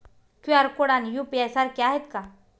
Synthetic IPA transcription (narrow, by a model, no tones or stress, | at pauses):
kuaɾkoɽanjupiesaɾkjaɦet̪ka